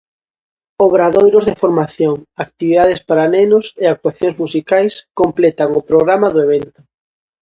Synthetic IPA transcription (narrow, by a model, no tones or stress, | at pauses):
oβɾaðojɾʊzðɪfoɾmaθjoŋakt̪iβiðað̞espaɾanenʊseak̚t̪waθjoŋzmusikajskomplɛt̪aŋʊpɾoɣɾamaðʊeβ̞ɛnt̪ʊ